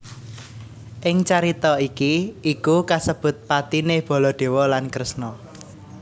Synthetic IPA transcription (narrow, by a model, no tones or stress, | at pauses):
ʔɪŋt͡ʃaɾit̪ɔikiʔːkukasəb̥ʊ̤t̪̚pat̪ineb̥ɔ̤lɔɖ̪̥e̤wɔlankɾəsnɔ